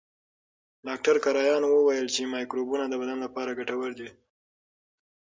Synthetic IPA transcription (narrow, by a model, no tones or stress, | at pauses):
ɖɑk̚ʈaɾkaɾɑjɑnwəwajəlt͡ʃemɑjkɾobunad̪əbad̪anlapɑɾaɡaʈawaɾd̪i